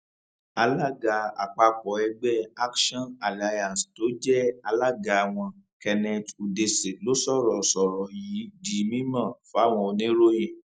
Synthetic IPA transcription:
a˧la˦˨ɡa˧a̰˨k͡pa˧k͡pɔ˨˦ɛ˧ɡ͡bɛ˦a˦kʃɔ̃˦˨na˨la˧jã˨sto˨˦d͡ʒɛ˦a˧la˦ɡa˧a˨w̃ɔ̃˧ | kɛ˧nɛ̃˧tu˨de˧se˨lo˦sɔ˦˨ɾɔ˨sɔ˨ɾɔ˨ji˨˦di˨˦mĩ˦mã˦˨fo˦a˦˨w̃ɔ̃˧o˧nĩ˦ɾo˦jĩ˦˨

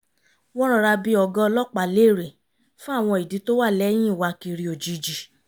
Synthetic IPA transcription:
wɔ̃˦ɾ̃ɔ̃˦˧ɾa˧bi˧ɔ˨ɡɔ̃˦˧lɔ˦k͡pa˨le˦˨ɾe˨ | fũ˦a˦˨w̃ɔ̃˧i˨di˨˦to˦wa˦˨lɛ˨˦j̃ĩ˦˨wa˧ki˧ɾi˧˦o˨d͡ʒi˨d͡ʒi˨

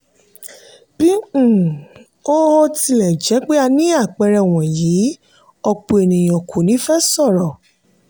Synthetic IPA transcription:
b̥ĩ˦˨ | o˦ɔ˦ti˧lɛ˨d͡ʒɛ˨˦k͡pe˦a˧nĩ˦a˦˨k͡pɛ˧ɾɛ˧˨w̃ɔ̃˨jiː˨˦ | ɔ˧k͡pu˨e˨nĩ˨j̃ɔ̃˨kʰu˨nĩ˨˦fɛ˦sɔ˦˨ɾɔ˨

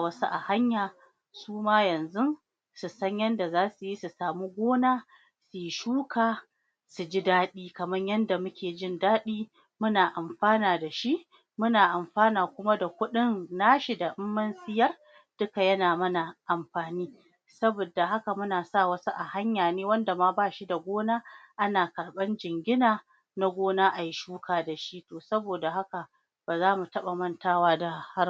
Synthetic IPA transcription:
wɐ˦su˦ʔa̰˨ha˦ɲjaː˨ | suː˦maː˦jɐ˨nzʊ˦n | su˨sɐ˦ɲjɐ˦nda˨zaː˦su˨ji˦su˨saː˨mu˦ɡʷoː˦naː˦ | su˨jʃuː˦kʰaː˨ | su˨d͡ʒi˦daː˦ɗiː˦kɐ˨mɐ˦ɲjɐ˦nda˨mʊ˦kʲʰeː˨d͡ʒɪ˦ndaː˦ɗiː˦ | mʊ˦naː˨ʔa˨mɸaː˦naː˨da˨ʃi˦ʔ | mʊ˦naː˨ʔa˨mɸaː˦naː˨kʷʊ˦ma˦da˨kʷʊ˦ɗɪ˦nːaː˦ʃi˨da˨ʔɪ˦mːɐ˦nsɪ˦jɐ˦r | d̥ʊ˦ka˨jɐ˦naː˨mɐ˦na˨ʔa˨mɸaː˨niː˦ | sɐ˦boː˨da˨ɦa˦ka˨mʊ˦naː˨sa˦˨wɐ˦su˦ʔa˨ha˦ɲjaː˨neː˦wɐ˦nda˨maː˦baː˦˨ʃi˦da˨ɡʷoː˦naː˦ʔa˦naː˨kɐ˨rɓɐ˦nd͡ʒɪ˨ŋɡʲɪ˦naː˨ | na˦ɡʷoː˦naː˦ʔa˨ji˦ʃuː˦kaː˨da˨ʃi˦toː˨sɐ˦boː˨da˨ɦa˦ka˨ | b̥aː˨zaː˦mu˨tɐ˦ɓa˨mɐ˦ntaː˦waː˦da˨ha˦

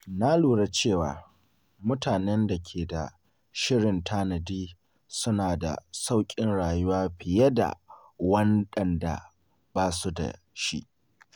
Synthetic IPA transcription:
na˦luː˨ɽa˦t͡ʃeː˦˨waː˨ | mʊ˦taː˨nɛ˦nda˨kʲʰeː˨da˨ | ʃɪ˦ɽɪ˨ntʰaː˦nɐ˨diː˦ | sʊ˦naː˨da̰˨sa˦wkʲʼɪ˦nɽaː˨jʊ˦waː˦ɸɪ˨je˦da̰˨ | wɐ˦nɗɐ˨nda̰˨ | baː˦su˦da̰˨ | ʃḭ˦ʔ

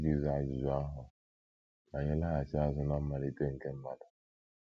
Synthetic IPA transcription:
ɡi˨za˨d͡ʒi˨zʊ˨a˦ɦʊ˨ | na˨ɲe˦la˦a˨t͡ʃa˦zʊ˨na˦m̩˦ma˨ɾi˦te˦ŋ̩˨ke˦m̩˦ma˨da˨

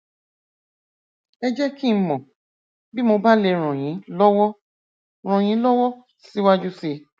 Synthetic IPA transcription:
ɛ˧d͡ʒɛ˦ki˦mɔ̃˨ | bi˦mo˧ba˦le˧ɾ̃ɔ̃˨j̃ĩ˨˦lɔ˦wɔ˦ | ɾ̃ɔ̃˨j̃ĩ˨˦lɔ˦wɔ˦ | si˨˦wa˦d͡ʒu˦se˧

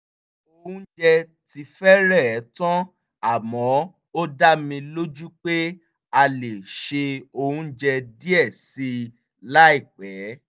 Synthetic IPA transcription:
o˧hũ˦d͡ʒɛ˧ | ti˧fɛ˦ɾɛ˦˨˦tɔ̃˦ | a˦˨mɔ̃˨˦ | o˦da˦mĩ˧lo˦d͡ʒu˦k͡pe˦ | a˧le˨ʃe˧o˧hũ˦d͡ʒɛ˧di˦ɛ˦˨si˧ | la˦i˦˨k͡pɛ˨˦

